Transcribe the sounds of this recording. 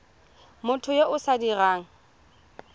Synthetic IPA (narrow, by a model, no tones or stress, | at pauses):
mʊtʰʊjeʔʊsadiraːŋ̩